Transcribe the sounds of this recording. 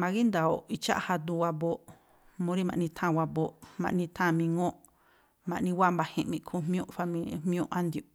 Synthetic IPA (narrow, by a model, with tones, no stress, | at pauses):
mã˧ɣi˦nd̪a˨o˨i˧t͡ʃa̰˦ʔha˧d̪u˧wa˧bo˧˨ʔ | mõ˧˦ɾi˦mã̰˧˨ʔnĩ˧t̪ʰã˦˨wa˧bo˧ʔmã̰˧ʔnĩ˧t̪ʰã˦˨mĩ˧ŋõ˦ʔ | mã˧ʔnĩ˧wa˦mba˧hĩ˧ʔmĩ˧ʔkʰu˧mmj̃õ˦ʔfa˧mĩ˧mĩ˦õ˦ʔa˦nd̪ju˨